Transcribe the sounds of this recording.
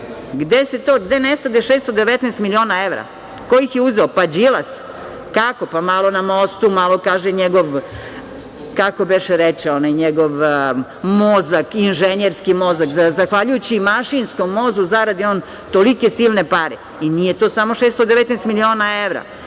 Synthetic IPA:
ɡd̪ese̞t̪oːɡd̪e̞nest̪ad̪eʃeːst̪od̪eʋet̪neːst̪milio̞ːnaeʋɾa̰ | ko̞jixjeuzeopad͡ʑilˠas | kako̞pamalˠo̞namost̪umalˠokaːʒeɲeɡoʋ | kako̞beʃeɾet͡ʃɛonajɲeɡoʋ | mozakinʒeɲeɾskimo̞zakzazaxʋaʎujut͡ɕimaʃinskomːo̞zuzaɾad̪ioːn | t̪olike̞silˠnepaɾe | inijet̪osamo̞ʃest̪od̪eʋet̪neːst̪milio̞ːnaeʋɾa̰

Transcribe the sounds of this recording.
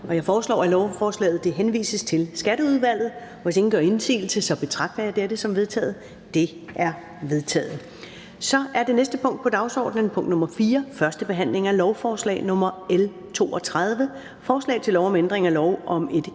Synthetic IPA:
ʔɒ̽jɑ̈ɪfɒːslɒ̰ːælɒʊfɒːslɛ̰ːð̩ˠd̥e̝ɦenʋḭːsəst͡sʰe̝lsɡ̥æɾəuðˠʋæl̰ð̞̩ˠ | ʋɒse̝ŋn̩ɡ̥ɶɐe̝nsḭːl̩səsɒ̽b̥e̝t͡sʰʁɑ̈ɡ̥̚d̥ɐjäɪd̥eɾəsɒ̽mʋe̝ð̞ˠt͡sʰɛ̰ːð̞̩ˠ | d̥e̝ | ʔæɐ | ʋe̝ðˠt͡sʰɛ̰ːð̩ˠ | sɒ̽ʔæɐd̥e̝nesd̥əpʰɔ̽ŋ̰d̥̚pʰɒ̽d̥ɑ̈ʊsɒ̰ːd̥nən̩pʰɔ̽ŋ̰d̥nɔ̽mɐfiːɐfɶɐsd̥əb̥e̝ɦæn̰le̝ŋælɒʊfɒːslɛ̰ːɪnɔ̽mɐel | t͡sʰo̝̰ːɒ̽t͡sʰʁað̞ˠʋə | fɒːslɛ̰ɪt͡sʰelːɒʊɒmend̥ʁeŋælɒʊʔɒ̽me̝d̥

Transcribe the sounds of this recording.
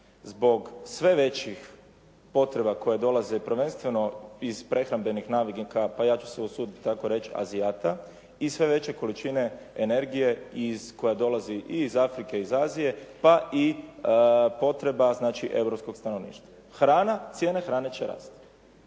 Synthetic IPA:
zbo̞ɡsʋe̞ʋe̞t͡ɕix | po̞t̪ɾe̞bako̞jed̪o̞lˠazepɾʋe̞nst̪ʋe̞no̞iz̥pɾʔe̞xɾambe̞nixnaːʋiɡikapajaːt͡ʃu̥seusuːd̪itit̪t̪ako̞ɾe̞t͡ʃa̰zijaːt̪a | isʋe̞ʋe̞t͡ɕe̞ko̞lit͡ʃine̞ | ene̞ɾɡije̞izkojad̪o̞laziʔizafɾike̞izaːzije̞paʔi | po̞t̪ɾe̞baznaːt͡ʃiʔe̞wɾopsko̞ɡst̪ano̞ʋnḭːʃt̪ʋa | xɾaːnat̪sje̞ːnexɾaːne̞t͡ɕe̞ɾa̰ːst̪

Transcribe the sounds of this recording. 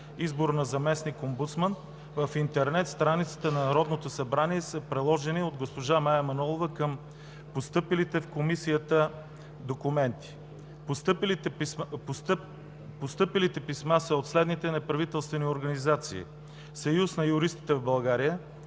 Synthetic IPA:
izboɾnɐzɐmɛsnikombut̪smən | vəfint̪ɛɾnɛt̪st̪ɾanit̪sə̥t̪ənɐnɐɾɔd̪not̪osɐbɾaniɛsəpɾɛlˠɔʒɛniod̪ɡospoʒamajɐmɐnɔlˠovəkəm | post̪ɤpilit̪ɛfkomisijət̪ə | d̪okumɛnt̪i̥ | pst̪pl | post̪ɤpilit̪ɛpismasəot̪slɛd̪nit̪ɛnɛpɾɐvit̪ɛlˠst̪vɛnioɾɡɐnizat̪sḭː | sɐjusnɐjʊɾist̪i̥t̪ɛvbɐlˠɡaɾijə

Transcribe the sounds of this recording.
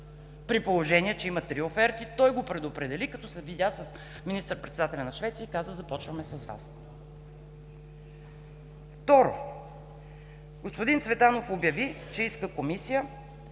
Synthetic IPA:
pɾipolˠoʒɛniɛt͡ʃɛimɐt̪ɾiofɛɾt̪it̪ɔjɡopɾɛd̪opɾɛd̪ɛlikɐt̪ɔsɛvid̪ʲasəs | minist̪əɾpɾɛt̪sd̪at̪ɛlʲɐnɐʃvɛt̪sijəikazəzɐpɔt͡ʃvɐmɛsɐzva̰s | ft̪ɔɾo | ɡospod̪int̪svɛt̪anofobjɐvi | t͡ʃɛiskəkomisijə

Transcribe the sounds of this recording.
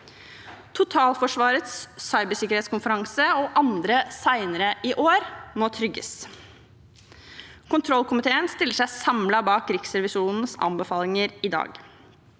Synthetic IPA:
t̪ʰʊt̪ʰɑːlfɔʂʋɑːɾət̪sːɑɪbəʂɪkəɾheːt̪skʊnfəɾɑŋsəɔʔɑnd̪ɾəsæɪnəɾəʔiːʔoːɾmoːt̪ʰɾʏɡːə̰s | kʊnt̪ʰɾɔlkʊmɪt̪ʰeːənst̪ɪlːəʂæɪsɑmlɑbɑːkɾɪksɾɛʋɪʃuːnn̩sɑ̰mbəfɑːlɪŋəɾɪd̪ɑ̰ːɡ

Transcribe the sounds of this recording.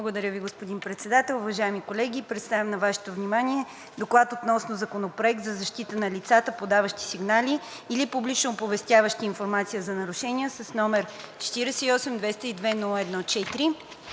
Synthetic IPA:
lˠəɡod̪ɐɾʲjəviɡospod̪inpɾɛt̪sɛd̪at̪ɛlˠʊvɐʒaɛmikolɛɡʲipɾɛt̪st̪avʲəmnɐvaʃɛ̥t̪ovnimaniɛ | d̪oklˠat̪ot̪nɔsnozɐkonopɾoɛk̚t̪zɐzɐʃt̪it̪ənɐlit̪sat̪əpod̪avɐʃt̪i̥siɡnaliː | lipublit͡ʃnopovɛst̪ʲjavəʃt̪iːnfoɾmat̪sijəzɐnɐɾʊʃɛniəsɐsnɔmɛɾt͡ʃɛ̥t̪iɾɛsɛiɔsɛmd̪vɛst̪əid̪vɛnulˠəɛd̪nɔt͡ʃɛt̪ɾi

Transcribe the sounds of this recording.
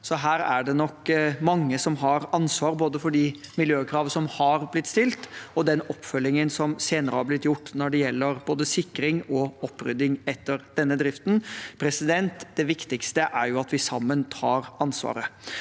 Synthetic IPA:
sɔɦæːɾæɖɛnɔkmɑŋːəsɔmɦɑɾɑnsʋɑːɾboːd̪əfɔɖɪmɪljøːkʰɾɑːʋəsɔmhɑɾblɪt̪ːst̪ɪlt̪ɔd̪ɛnɔpːfœlːɪŋənsɔmseːnəɾəhɑblɪt̪ːjʊʈːnɔɖɛjɛlːəɾboːd̪əsɪkːɾɪŋɔɔpːɾʏ̰d̪ɪŋɛt̪ːəɾd̪̥ɛnːəd̪ɾɪft̪npʰɾɛsɪd̪ɛnt̪d̪ɛʋɪkt̪ɪkst̪əʔæɾjʊɑt̪ʋɪsɑmːənt̪ʰɑːɾɑnsʋɑ̰ːɾə

